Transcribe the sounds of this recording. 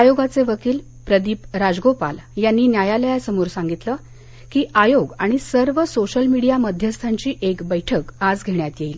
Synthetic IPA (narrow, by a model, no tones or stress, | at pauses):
ajoɡat͡seʋəkiːl | pɾəd̪iːpɾad͡zɡopa̰ljanːiːnjajaləjasəmuːɾsãŋɡit̪lə | kiːajoɡaɽ̃isəɾʋəsoɕəlmiɽijaməd̪ʱjəst̪ʰaɲt͡ɕiːʔekbəjʈʰəkad͡zɡʱeɳjat̪jeiːl